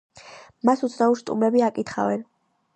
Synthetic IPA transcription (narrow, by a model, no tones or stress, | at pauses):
masut̪sʰnauɾst̪ʼṵmɾɛbiakʼit̪ʰχa̰vɛn